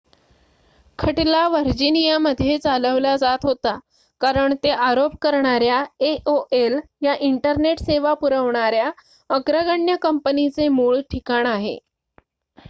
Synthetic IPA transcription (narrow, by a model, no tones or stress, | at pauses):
kʰəʈlaʋəɾd͡ʑinijaməd̪ʱːjet͡saləʋlad͡zat̪ɦot̪a | kaɾəɳt̪eʔaɾopkəɾɳaɾjaeʔoʔeljaʔiɳʈəɾneʈseʋapuɾəʋɳaɾja | əɡɾəɡəɳjəkəmpənit͡semuːɭʈʰikaɳaɦḛ